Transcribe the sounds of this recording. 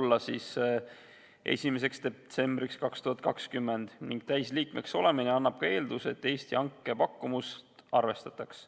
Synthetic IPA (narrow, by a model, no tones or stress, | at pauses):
lːɑsis | ʔe̞̰sʲime̞s̬e̞ksd̪̥et̪se̞mb̥ɾikskɑkst̪uhɑt̪̚ˑkɑkskymːe̞nd̪̥niŋɡ̥t̪æjsliːkme̞kso̞le̞mineɑnːɑb̥̚kɑe̞ːld̪use̞t̪ːe̞ːst̪iɑŋkːˑe̞pɑkːumust̪ɑrve̞st̪ɑt̪ːˑɑks